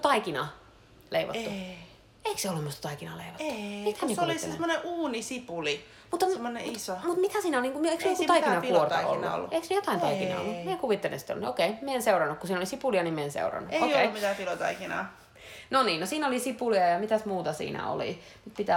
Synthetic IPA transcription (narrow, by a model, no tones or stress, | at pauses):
t̪ɑikinɑ | leiʋo̰tːu | eikseolːumust̪t̪ɑikinɑleiʋotːit̪æmiekoliːesmːoneʔuːnisipuli | mut̪ːɑmːoneisomut̪mit̪æsiːnæolniːŋkumieiksokut̪ɑiinɑkuort̪ɑo̰lːṵo̰lːueiksnejot̪ɑˑinɑiinɑ̰o̰lːumiekuʋit̪ːelḛsi̥t̪ːo̰lnokeimieenseuɾɑnːukkusiːnolisipuliɑnimeensḛurɑ̰nːueoioeiumit̪æfilot̪ɑ̰ikinɑ̰ː | noniːnnosiːnolisipuliɑjɑmit̪æsmuːt̪ɑsḭːnæ̰o̰lḭ | mut̪pit̪æ